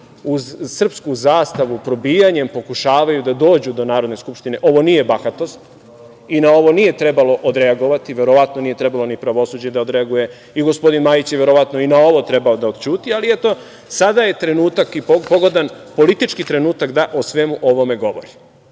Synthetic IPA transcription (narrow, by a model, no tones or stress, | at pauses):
uzsr̩pskuzaːst̪aʋupɾo̞biːjaɲe̞mpo̞kuʃaːʋajud̪ad̪o̞ːd͡ʑud̪o̞naːɾo̞d̪ne̞skupʃt̪ine̞ʔo̞ʋo̞nije̞baxat̪o̞st̪ | inao̞ʋo̞nije̞t̪ɾe̞balo̞ʔod̪ɾe̞aɡo̞ʋat̪iʋe̞ɾo̞ʋat̪no̞nije̞t̪ɾe̞balo̞nipɾaʋo̞suːd͡ʑed̪aod̪ɾe̞aɡuje̞ | iɡo̞spo̞d̪inmajit͡ɕjeʋe̞ɾoʋat̪noinao̞ʋo̞t̪ɾe̞baod̪aod̪̥t͡ɕuːt̪ialiɛt̪o̞ | sad̪aje̞t̪ɾenuːt̪akipopo̞ɡo̞d̪anpo̞lit̪it͡ʃkit̪ɾe̞nuːt̪akd̪aʔosʋe̞muʔo̞ʋo̞me̞ɡo̞ʋo̰ɾi